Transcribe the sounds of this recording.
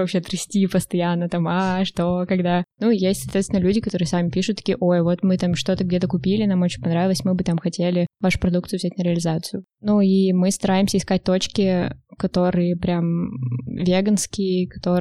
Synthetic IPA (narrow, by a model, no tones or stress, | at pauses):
vɐpɕet̪ɾɨsʲtʲipəst̪ɐjanːət̪amaʂt̪okɐɡd̪anujesʲtʲsɐt̪vʲet̪ʲɪnəlʲʉdʲɪkɐt̪o̞ɾɨjəsamʲɪpʲiʂʊt̪ːɐ̥kʲijəʔo̞jvo̞t̪mɨt̪amʂt̪o̞t̪əɡ̚dʲe̞t̪əkʊpʲilʲɪnamo̞t͡ɕɪnʲpɐnɾavʲɪlˠəsʲmɨbɨt̪amxɐtʲelʲɪvaʂʊ̥pɾɐd̪ukt̪sɨːvzʲætʲnəɾʲɪəlʲɪzat̪sɨjʊ | nuimɨst̪ɐɾajɪmsʲəɪskat̚ʲt̪o̞t͡ɕkʲɪkɐt̪o̞ɾɨjəpɾʲam | vʲeɡənskʲɪjkɐ̥t̪o